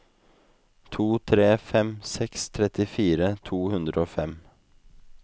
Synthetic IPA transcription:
t̪ʰuːt̪ʰɾeːfɛmsɛkst̪ʰɾɛt̪ɪfiːɾət̪ʰuːhʉnd̪ɾəoːfɛm

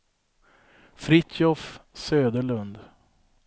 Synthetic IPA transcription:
fɾɪt̪ɔfsøːd̪əɭɵnd̪

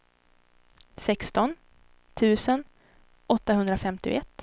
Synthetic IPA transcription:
sɛkst̪ɔn | t̪ʰʉ̟ːsən | ʔɔt̪ːahɵnd̪ɾafɛmt̪ɪ̰ɛt̪ː

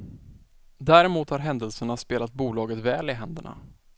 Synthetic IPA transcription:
d̪æːɾɛmuːt̪haɾɦɛnd̪əlsəɳaspeːlat̪̚buːlɑːɡət̪vɛːlɪɦɛnd̪əɳa̰

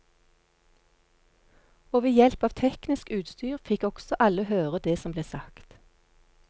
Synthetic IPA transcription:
oːʋeːjɛlpɑːʋt̪ʰɛknɪskʉːt̪st̪yːʁfɪkɔɡ̥sɔʔɑləhøːʁəd̪eːsɔmbleːsɑkt̪

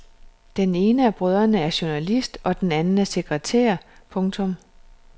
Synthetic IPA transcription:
d̥ene̝ːnəæb̥ʁœð̞ˠɐnəæɐɕo̝nælisd̥ɒ̽d̥enænn̩æɐse̝ɡ̥ʁɛt͡sʰḛːɐpʰɔ̽ŋt͡sʰɔ̽m

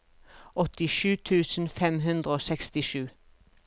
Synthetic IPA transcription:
ɔt̪ɪʃʉːt̪ʰʉːsn̩fɛmɦʉnd̪ʁəoːsɛkst̪ɪʃʉː

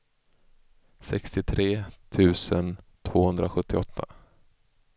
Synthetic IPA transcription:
sɛkst̪ɪt̪ʰɾeːt̪ʰʉ̟ːsənt̪ʰv̥oːhɵnd̪ɾaɧɵt̪ʰːɪɔt̪ʰːa

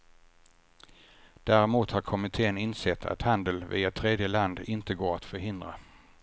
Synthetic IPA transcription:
d̪̥æːɾɛmuːt̪haɾkʰɔmɪt̪ʰeːənɪnsɛt̪ʰːa̰t̪hand̪əlvḭːat̪ʰɾeːd̪jəland̪ɪnt̪əɡoːɾat̪fœɾɦɪnd̪ɾa̰

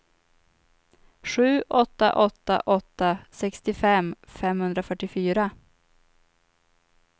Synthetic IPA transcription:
ɧʉ̟ːʔɔt̪ːa̰ʔɔt̪ːa̰ʔɔt̪ːasɛkst̪ɪfɛmfɛmhɵnd̪ɾafœʈːɪfyːɾa

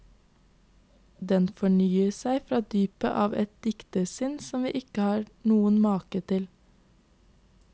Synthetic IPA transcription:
d̪ɛnfɔɳyːəsæɪfɾɑːd̪yːpə̰ʔɑːʋɛt̪̚d̪ɪkt̪əsɪnsɔmʋḭːʔɪkəhɑːɾnuːənmɑːkət̪ʰɪl

